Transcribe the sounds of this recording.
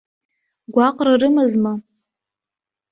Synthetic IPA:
ɡʷaqʷʼrɨrɨmɨzma

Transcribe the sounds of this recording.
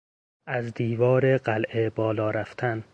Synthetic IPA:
æzd̪iːvɒːɾeɢælʔebɒːlɒːɾæft̪ʰæn

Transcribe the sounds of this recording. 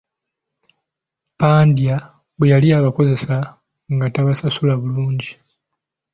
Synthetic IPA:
paːndja | βwejaliaβako̞ze̞sa | ŋɡataβasasulaβuluːɲɟi

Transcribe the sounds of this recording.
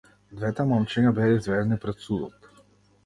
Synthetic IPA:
d̪vɛt̪ɛmɔmt͡ʃɛɲabɛaizvɛd̪ɛnipɾɛt̪sud̪ɔt̪

